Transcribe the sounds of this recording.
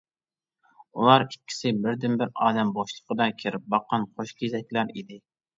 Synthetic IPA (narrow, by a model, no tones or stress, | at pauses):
ṵlˠɑɾikʲʰːi̥sɪbɪɾd̪ɪmbɪɾɑːd̪ɛmboʃlˠə̥qəd̪ɑkʲʰɪɾɪp̚bɑqːɑnqʰoʃkʲʰzɛkʲlæɾid̪ɪ